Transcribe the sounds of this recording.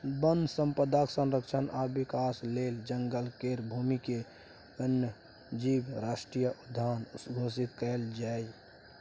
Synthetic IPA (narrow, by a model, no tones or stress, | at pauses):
bənd̪sə̃mpəd̪ʱaksənɾəkt͡ʃʰənabikaːsleːld͡ʒəŋɡəlkeɾbʱumike | ənjə | d͡ʒibɾaːsʈɾijəʔud̪ʱːaːnsɡʱos̬it̪kəld͡ʒaːj